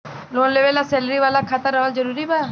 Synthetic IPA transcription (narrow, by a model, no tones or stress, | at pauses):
lonlebelasɛləɾiʋalakʰat̪əɾɔɦald͡ʒɔɾuɾiba